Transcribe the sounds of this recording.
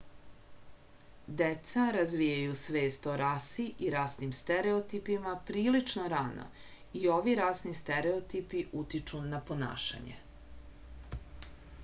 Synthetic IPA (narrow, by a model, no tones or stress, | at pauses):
d̪et̪saɾazʋijajusʋe̞ːst̪oɾasiʔiɾasnimst̪eɾeot̪ipimapɾiːlit͡ʃnoɾaːnʔo̰ | io̞ʋiɾaːsnist̪eɾeot̪ipiʔut̪it͡ʃunapo̞na̰ːʃa̰ɲḛ